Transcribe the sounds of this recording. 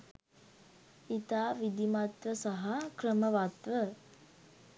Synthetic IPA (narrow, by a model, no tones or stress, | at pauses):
it̪aːʋid̪imat̪ʋəsaɦakrəməʋat̪ʋə